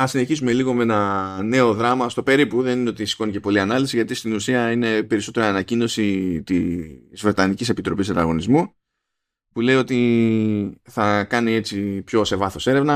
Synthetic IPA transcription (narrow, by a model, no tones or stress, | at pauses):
ɐsine̞çisume̞liɣo̞me̞nɐne̞o̞ðɾɐmɐst̪o̞pe̞ɾipuðe̞nineo̞t̪isi̥ko̞nicepo̞liɐnɐlisiʝɐt̪ist̪inusiɐine̞pe̞ɾiso̞t̪e̞ɾoɐnɐcino̞sit̪izvɾe̞t̪ɐnicise̞pit̪ɾo̞pisɐnd̪ɐ̰ɣo̞nizmu | pule̞io̞t̪i | θɐkɐnie̞t͡sipço̞se̞vɐθo̞se̞ɾe̞vnɐ